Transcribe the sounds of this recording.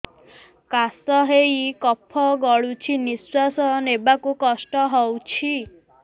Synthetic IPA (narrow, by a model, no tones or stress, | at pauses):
kasɔɦejkɔpʰːɔɡɔɭut͡ʃʰiniswasɔnebakukɔsʈɔɦɔwt͡ʃʰi